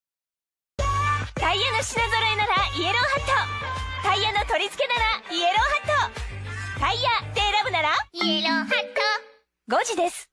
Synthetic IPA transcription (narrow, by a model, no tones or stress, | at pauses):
t̪aijːano̞ɕinaɡoɾoenaɾaie̞ɾo̞ːɦat̪ːot̪aijːano̞t̪o̞ɾʲit͡sɨ̥ke̞naɾaie̞ɾoːhat̪ːo | t̪aijad̪e̞ːɾabɯ̟naɾaieɾohat̪ːo | ɡo̞d͡ʑid̪e̞sɨ̥